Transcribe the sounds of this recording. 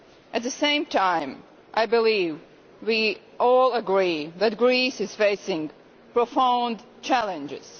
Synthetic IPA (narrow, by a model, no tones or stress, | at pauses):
ʔɨt̪̚ðɨsẽɪ̃mtʰãɪ̃m | ʔaɪbɨliv | wi | ʔɔlˠəɡɹiðɨt̚ɡɹisɨz̥feɪsɪ̃ŋ | pɹ̥ofãʊ̃nd | t͡ʃʰælˠɨ̃nd͡ʒɪ̰z̥